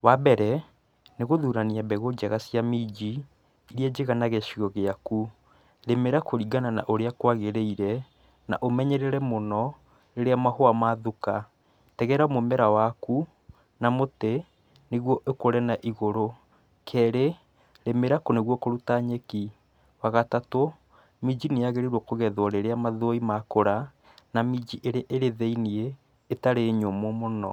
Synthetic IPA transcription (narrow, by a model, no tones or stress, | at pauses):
wabɛɾɛ | neɣoðuɾaniabɛɣod͡ʒaɣasjamid͡ʑi | iɾead͡ʑeɣanaɣɛʃiɣɔɣeaku | ɾemeɾakoɾiɡanana̰ʔoɾeakwaɣeɾeiɾɛ | na̰ʔomɛɲɛɾeɾɛmonɔ | ɾeɾeamahoamaðuka | tɛɣɛɾamomɛɾawaku | namote | neɣwɔʔekoɾɛnaʔiɣoɾo | kʰɛːɾe | ɾemeɾakoneɣwɔkoɾutaɲeki | waɣatato | mid͡ʒineaɣeɾeɾwɔkoɣɛðwɔɾeɾeamaðoimakoɾa | namid͡ʒiʔeɾeaʔeɾeðɛinieː | taɾeɲomomonɔ̰